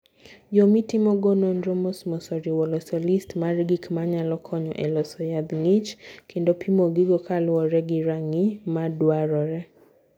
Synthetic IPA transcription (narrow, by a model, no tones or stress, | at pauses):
d͡ʒɔmitɪmɔɡɔnɔndɾomɔsmɔsɔɾiwɔlɔsɔlistmaɾɡikmaɲalɔkʰɔɲɔ̰ʔɛlɔsɔjad̪ŋit͡ʃkʰendopʰimoɡɪɡɔkʰalwɔɾɛɡɪɾaŋimadwaɾɔɾɛ